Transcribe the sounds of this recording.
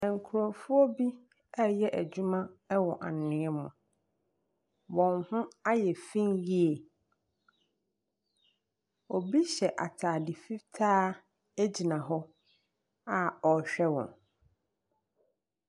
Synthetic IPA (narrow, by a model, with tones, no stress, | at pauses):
ɛ̃˨ŋ˨kʰʊ˨ɾo˨fʊ˦ɔ˦bi˦ | ɛ˦jɛ˦ʔæ˨d͡ʑᶣu˦mã˦ɛ˦wɔ̃˨ʔa˨nɪ̃˦ɛ˦mʊ̰̃˨ | wɔ̃˨nhʊ̃˦a˦jɛ˨fĩ˦nji˦e˨ | ɔ˨bi˦ɕɛ˨ʔa̰˨tʰaː˨dɪ˨fi˦tʰaː˦ | æ˦d͡ʑi˨nã˨ɦɔ˦ | a˨ɔ˨ɕᶣɛ˦wɔ̰̃˨n